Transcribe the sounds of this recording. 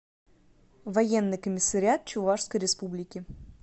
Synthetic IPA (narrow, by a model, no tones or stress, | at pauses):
vɐjenːɨjkəmʲɪsːəɾʲɪat̪̚t͡ɕʊvaʂskəjɾʲɪspublʲɪkʲɪ